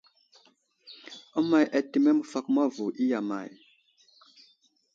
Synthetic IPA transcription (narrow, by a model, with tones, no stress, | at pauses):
ɔ˦ma˨jʔɛ˨ti˨mɛ˦mu˨fa˨kma˦vu˨ʔi˦ja˨ma̰˨j